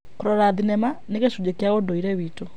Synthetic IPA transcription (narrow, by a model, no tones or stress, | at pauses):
koɾɔɾaðinɛmaneɣeʃud͡ʑekeaondoiɾɛwito